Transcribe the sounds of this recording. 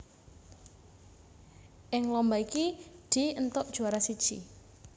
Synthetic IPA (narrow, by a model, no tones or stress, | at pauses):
ʔɪŋlɔmbaikid̪̥iənt̪ʊʔd̥ʒ̥uaɾasid̥ʒ̥ḭ